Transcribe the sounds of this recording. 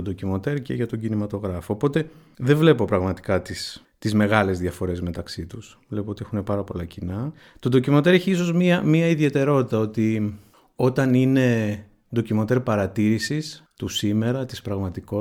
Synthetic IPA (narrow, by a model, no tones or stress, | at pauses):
ond̪ocimot̪e̞ɾcḛʝɐt̪o̞ɲɟinimɐt̪o̞ɣɾɐfoːpo̞t̪e̞ | ðeɱvle̞po̞pɾɐɣmɐt̪i̥kɐt̪is | t̪izme̞ɣɐle̞zðjɐfoɾe̞zme̞t̪ɐksit̪us | vle̞poo̞t̪ie̞xune̞pɐɾɐpo̞lɐcinɐ | t̪od̪o̞cimo̞t̪e̞ɾeçiis̬o̞zmiɐmiɐiðie̞t̪e̞ɾo̞t̪it̪ɐo̞t̪i | o̞t̪ɐnine̞ | d̪o̞cimo̞t̪e̞ɾpɐɾɐt̪iɾisist̪usime̞ɾɐt̪ispɾɐɣmɐt̪iko